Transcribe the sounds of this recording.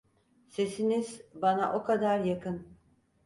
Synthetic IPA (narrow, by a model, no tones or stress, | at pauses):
se̞siniz̥banaʔo̞kʰad̪aɾjakɯn